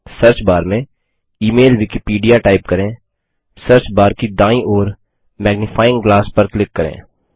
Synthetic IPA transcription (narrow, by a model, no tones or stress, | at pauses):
səɾt͡ʃbaːɾmẽ | iːmeːlʋɪkipiːɖijaʈaːɪp̚kɐɾẽː | sɐɾt͡ʃbaːɾkid̪ãːĩʔɔːɾ | mɛːɡnɪfʰaːɪ̃ŋɡɡlaːspɐɾklɪkːɐɾḛ̃ː